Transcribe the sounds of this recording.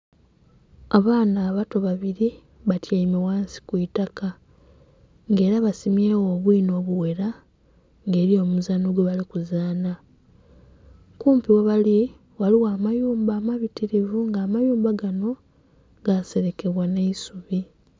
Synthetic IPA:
aβaːnaːβato̞βaβiɾi | βatjaimewaːnsi̥kuitaka | ŋɡe̞ːɾaβasimjeːwo̞ːβwiːno̞ːβuwe̞ɾa | ŋɡe̞ːɾio̞ːmuzanoɡweβalikuzaːna | kuːmpiweβali | waliwaːmajuːmbaːmaβitiɾivuŋɡaːmajuːmbaɡano̞ | ɡase̞ɾe̞ke̞βwaneisuβi

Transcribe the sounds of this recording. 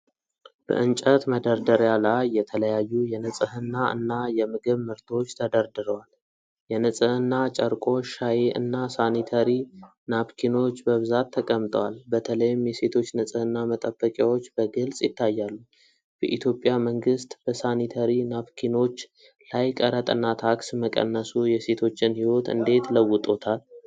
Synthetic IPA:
b̥ə̰ʔɨnt͡ʃʼət̪məd̪əɾd̪əɾjalajːɛt̪ʰələjajːujɛnəsʼɨhɨnːaʔɨ̰nːajɛmɨɡɨβmɨɾt̪ʰo̞t͡ʃːt̪ʰəd̪əɾd̪ɨɾəwal | jɛnəsʼɨhɨnːat͡ʃʼəɾkʼo̞ʃajeʔɨ̰nːasanit̪ʰəɾi | nafkʰino̞t͡ʃːbəβɨzat̪ʰːəkʼəmt̪ʼəwalbət̪ʰələjɪmjɛse̞t̪ʰo̞t͡ʃːnɨsʼɨhɨnːamət̪ʼəbːəkʼjawo̞t͡ʃːbəɡɨlsʼjɪt̪ʰːajːalːu | bəʔit̪ʰjo̞pʼjaməŋɡɨst̪b̥əsanit̪ʰəɾinafkʰino̞t͡ʃː | lajkʼəɾət̪ʼɨnːat̪ʰaksməkʼə̰nːəsujɛse̞t̪ʰo̞t͡ʃːɪnhiwo̞t̪ɨ̰nd̪e̞t̪ləwːʊt̪ʼo̞t̪ʰal

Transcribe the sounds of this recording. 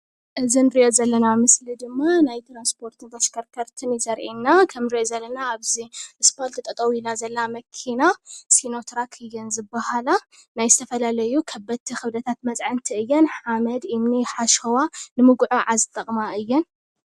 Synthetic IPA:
ʔɨzinɨɾio̞zɐlːɐnamɨslid̪ɨmːanajt̪ʰɾanspʰo̞ɾt̪ʰɨnt̪ʰɐʃkʰɐɾkʰɐɾt̪ʰɨnjɪsɐɾʕinːakʰɐmɨɾijozɐlːɐnaːβziʔɨspolt̪ʰɨt̪ʼɐt̪ʼɐwilazɐlːɐnamɐkʰinasino̞t̪ʰɾakʰɨjːɨnzɨbːahala | najzɨt̪ʰɐfɐlalɐjukʰɐbɐt̪ʰːixɨβd̪ɐt̪ʰat̪̚mɐt͡sʼʕɨnt̪ʰiɨjːɛnħamɐd̪ɨmniħaʃɐwanɨmɨɡʕoʕazɨt̪ʼːɐχʼmaʔɨjːɛn

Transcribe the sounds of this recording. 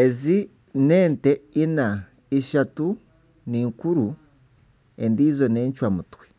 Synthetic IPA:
ezi | neːnteina | iʃatu | niːŋkuɾu | e̞ndiːzo̞neːɲt͡ʃwamutwi̥

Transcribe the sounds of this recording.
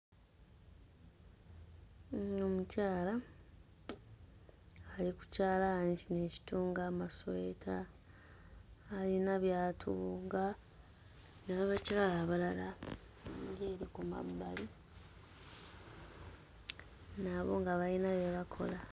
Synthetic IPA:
omucaːla | liku̥caːlaɲt͡ʃine̞ːci̥tuːŋɡaːmaswetʰa | linaβjaːtʰuŋɡa | naβaβaciβalaːβalala | ɲɡeːɾikuma̰bali | naβo̞̰ŋɡaβalinaβeβakʰo̞̰la

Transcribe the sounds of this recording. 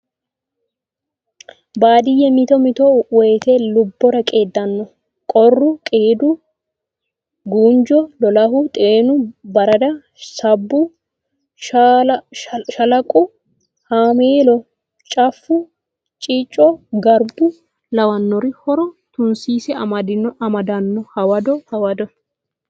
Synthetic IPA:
baːd̪ɪjːɛmɪt̪ɔmɪt̪ɔwɔjt̪elʊbːɔɾɐkʼe̞ːd̪ːɐnːɔ | kʼɔrːʊkʼeːd̪ʊ | ɡuːnd͡ʒɔlɔlɐɦʊt̪ʼeːnʊbɐɾɐd̪ɐ | sɐbːʊ | ʃɐlɐkʼʊ | haːmeːlɔ | t͡ʃʼɐfːʊ | t͡ʃʼit͡ʃʼːɔɡɐɾbʊ | lɐwɐnːɔɾɪhɔɾɔt̪ʊnsiːsɛɐmɐd̪ɪnɔɐmɐd̪ɐnːɔhɐwɐd̪ɔhɐwɐd̪ɔ

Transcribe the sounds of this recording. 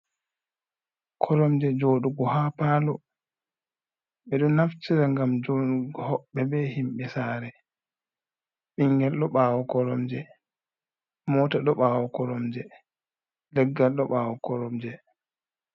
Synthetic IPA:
kʰɔɾɔmd͡ʒɛd͡ʒoːɗuɡɔhaːpaːlɔ | ɓɛɗɔnaft͡ʃiɾaŋɡamd͡ʒoɗuɡɔhɔɓːɛbɛhimɓɛsaːɾɛ | ɓiŋɡɛlɗɔɓaːwɔkɔɾɔmd͡ʒɛ | mɔtaɗɔɓaːwɔkɔɾɔmd͡ʒɛ | lɛɡːalɗɔɓaːwɔkɔɾɔmd͡ʒɛ

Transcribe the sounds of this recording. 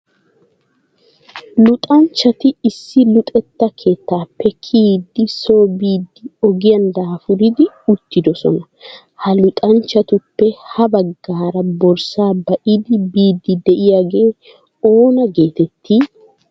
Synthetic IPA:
lʊt̪ʼɐnt͡ʃːɐt̪ɪːsːɪlʊt̪ʼɛt̪ːɐkʰe̞ːt̪ːaːpːɛkʰiːd̪ːɪso̞ːbiːd̪ːɪɔɡɪjɐnd̪aːfʊɾɪd̪ɪ | ʊt̪ːɪd̪ɔsɔ̰nɐ | hɐlʊt̪ʼɐnt͡ʃːɐt̪ʊpːɛhɐbɐɡːaːɾɐbɔɾsaːbɐʔɪd̪ɪbiːd̪ːɪd̪ɛʔɪjaːɡe̞ː | o̞ːnɐɡe̞ːt̪ɛt̪ʰːiː

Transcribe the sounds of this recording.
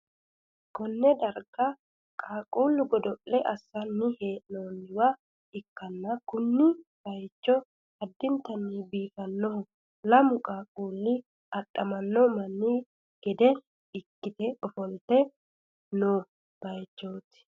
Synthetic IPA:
kɔnːɛd̪ɐɾɡɐ | kʼaːkʼuːlːʊɡɔd̪ɔʔːɛʔɐsːɐnːɪheːʔnoːnɪwa | ɪkːɐnːɐkʊnːɪb̥ɐjt͡ʃːɔ | hɐd̪ːɪnt̪ɐnːiːbiːtɐnːɔhʊ | lɐmʊkʼaːkʼuːlːɪ | ɐɗːɐmɐnːɔmɐnːiː | ɡ̥ɛd̪ɛ | ɪkːɪt̪ɛɔfɔlt̪ɛ | noː | b̥ɐjt͡ʃːoːt̪ɪ̥

